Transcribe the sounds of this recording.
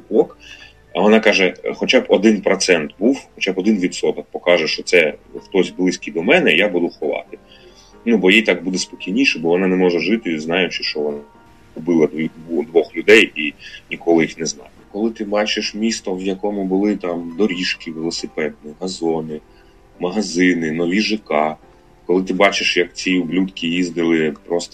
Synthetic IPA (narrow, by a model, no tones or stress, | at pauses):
ɔk | ɐʋɔnɑkɑʒɛxɔt͡ʃɑbɔd̪ɪnpɾɔt̪sɛnt̪buwxɔt͡ʃabɔd̪ɪnʋʲid̪t̪sɔt̪ɔk̚pɔkɑʒɛʃt͡ʃɔt̪sɛxt̪ɔsʲblˠɪsʲkʲid̪ɔmɛnɛjabud̪ʊxɔʋɑ̰t̪ɪ | nubɔjijt̪ɑkbud̪ɛspɔkʲijnʲiʃɛbɔʋɔnɑnɛmɔʒɛʒɪt̪ɪznɑjʊt͡ʃɪʃt͡ʃɔʋɔnɑ | ʊbɪlˠɐd̪id̪ud̪ʋɔxlʲʊd̪ɛjinʲikɔlˠɪjixnɛznɑ̰jʊkɔlˠɪt̪ɪbɑt͡ʃɪʃmʲist̪ɔwjɐkɔmʊbʊlˠɪt̪ɑmd̪ɔɾʲiʃkʲiʋelˠɔsɪpɛd̪̚nʲiɦɐzɔnɪ | mɐɦɐzɪnɪnɔʋʲiʒɪkɑ | kɔlˠɪt̪ɪbɑt͡ʃɪʃjɐkt͡sʲiʊblʲut̪kʲijizd̪ɪlˠɪjɐkpɾɔst̪ɔ